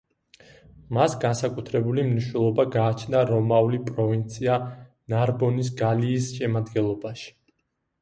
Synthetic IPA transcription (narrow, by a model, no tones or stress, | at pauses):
masɡansakʼut̪ʰɾɛbulimniʃnɛlˠɔbaɡaːt͡ʃʰnaɾɔmaulipʼɾɔvint̪sʰia | naɾbɔnis̬ɡaliːsʃɛmad̪ɡɛnlˠɔbaʃi̥